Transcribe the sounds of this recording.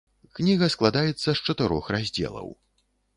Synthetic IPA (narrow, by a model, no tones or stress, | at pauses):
knʲiɣɐsklˠad̪ajɛt̪sːɐst͡ʂɐt̪ɨɾɔ̰xrazʲd͡zʲɛ̰lˠɐ̰w